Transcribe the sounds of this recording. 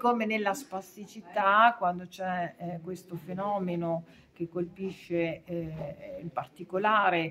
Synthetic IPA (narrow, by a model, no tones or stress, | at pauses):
koːmenelːaspasːit͡ʃit̪akwand̪ot͡ʃɛkːwest̪ofenɔːmeno | k̟ekːolpiʃːe | impart̪ikolaːɾe